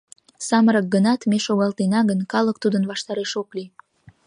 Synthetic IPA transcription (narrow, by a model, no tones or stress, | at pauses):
sɑməɾək̚ɡənɑt̪meʃoɣɑlt̪enɑɣənkɑlək̚t̪ud̪ənβɑʃt̪ɑɾeʃokli